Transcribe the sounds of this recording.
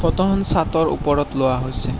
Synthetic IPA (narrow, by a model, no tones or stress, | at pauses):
fɔt̪ɔɦɔnsatɔɹṵpɔɹɔtlowaɦojsɛ